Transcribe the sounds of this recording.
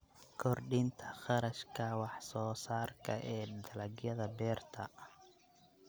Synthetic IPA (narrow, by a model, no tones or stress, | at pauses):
kʰɔrɖint̪ʰɐ̥χɑɾɐʃkʰɐwɑħsɔːsaːrkʰɐ̰ʔɛːd̪ɐlɐɡjɐðɐbɛːrt̪ʰɐ̰